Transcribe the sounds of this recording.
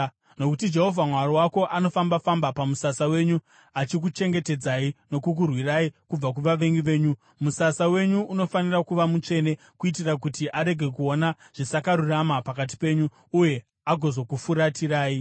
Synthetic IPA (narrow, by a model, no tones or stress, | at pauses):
no̞kutid͡ʒe̞ɦo̞vʱamwaɾowako̞ʔano̞fambafambapamusasawe̞ɲu | at͡ʃik̬ut͡ʃe̞ŋɡe̞te̞d͡zaino̞kuk̬urwiraikub͡vak̬uʋaʋe̞ŋɡiʋe̞ːɲu | musasawe̞ɲuʔuno̞fanirakuʋamut͡ʂe̞ne̞ | kuit̬irak̬utiʔaɾe̞ɡʱe̞k̬uo̞na | ʐ̥isakaɾuramapakat̬i̥pe̞ɲu | uje̞ | aɡʱo̞zo̞kufuɾatiraːi